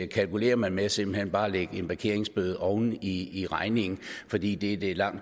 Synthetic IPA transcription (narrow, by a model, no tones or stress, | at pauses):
kʰælkule̝̰ːɐmænmeæse̝mb̥l̩henb̥ɑ̈ːleɡ̥əe̝nb̥ɑ̈kʰe̝ɐ̰eŋsb̥øð̞̩ˠɒʊn̩iiʁɑ̈ɪne̝ŋn̩fɒ̽d̥ḭːd̥e̝d̥elɑ̈ŋ̰